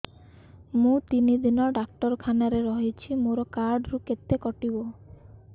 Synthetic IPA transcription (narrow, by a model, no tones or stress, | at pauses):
mũt̪inid̪inɔɖak̚ʈɔɾkʰanaɾeɾɔɦit͡ʃʰimoɾɔkaɾɖɾuket̪ːekɔʈibo